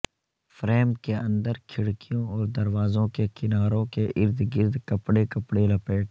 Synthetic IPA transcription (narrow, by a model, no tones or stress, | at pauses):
fɾeːmkeə̃nd̪əɾkʰɪɽkijõɔːɾd̪ɐɾʋaːzõkekɪnaːɾõkeʔɪɾd̪ɡɪɾd̪kɐpɽekəpɽelɐpeːʈ